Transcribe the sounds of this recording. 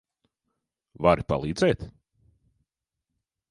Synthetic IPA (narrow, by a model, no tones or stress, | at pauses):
vaɾipa̰lˠiːd̪zɛːt̪